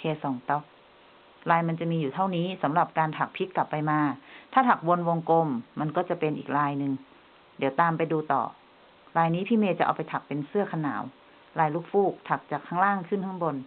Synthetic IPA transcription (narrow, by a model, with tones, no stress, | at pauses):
kʰeː˧sɔː˨˩˦ŋt̪ɔ˧˥˩k̚ | laː˧jma˧nt͡ɕa˨˩miː˧juː˨˩t̪ʰa˥˩wniː˦˥sa˨˦mla˨˩p̚kaː˧nt̪ʰa˨˩k̚pʰi˦˥t̪̚ka˨˩pːa˧jmaː˧t̪ʰaː˥˩t̪ʰa˨˩k̚wo˧nwo˧ŋko˧mːa˧nkɔː˥˩t͡ɕa˨˩pe˧nʔḭː˨˩k̚laː˧jnɯ˧ŋ | di˨˦wt̪aː˧mpa˧jduː˧t̪ɔ̰ː˨˩ | laː˧jniː˦˥pʰiː˧˥˩meː˧˩t͡ɕa˨˩ʔa˧wpa˧jt̪ʰa˨˩k̚pe˧nsɯ˥˩ɐkʰa˧na̰ː˩˦w | laː˧˩jluː˧˥˩k̚fuː˥˩k̚t̪ʰa˨˩k̚t͡ɕaː˨˩kʰːaː˦˥ŋlaː˥˩ŋkʰɯ˥˩˨ntʰa˧˥ŋbo˧n